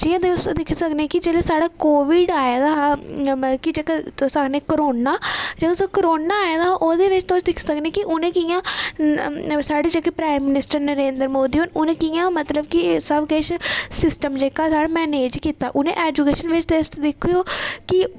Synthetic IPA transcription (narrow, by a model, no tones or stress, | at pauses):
d͡ʒijãːd̪esd̪ɪkʰsəknẽːkɪd͡ʒeːleːsaːɽaːkoːʋɪɖaːjaːd̪aː | kɪd͡ʒeːket̪osəkneːkəɾoːnːaːd͡ʒəd̪osəkəɾoːnaːjaːd̪aːʔoːd̪eːʋɪt͡ʃt̪osd̪ɪkʰsəknẽːkɪʔʊnẽːkijãː | saːɖeːd͡ʒekepɾaːimːɪnɪsʈəɾnəɾeːnd̪əɾmoːd̪iːɦoːnʊnẽːkijãːmət̪ləbkɪsəbkeːʃsɪsʈəmd͡ʒeːkaːsaːɽamɛːneːd͡ʒkiːt̪a̰ːʔʊnḛ̃ʔɛːd͡ʒukeːʃənʋɪt͡ʃd̪esd̪ɪkʰːoːkɪ